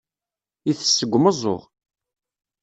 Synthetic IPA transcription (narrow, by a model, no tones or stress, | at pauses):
iθə̥sːəɡʷːməzˤo̰ʁ